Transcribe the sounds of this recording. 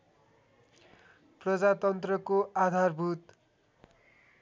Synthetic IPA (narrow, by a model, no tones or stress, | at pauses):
prʌd͡zat̪ʌnt̪rʌkoad̪ʱarbʱut̪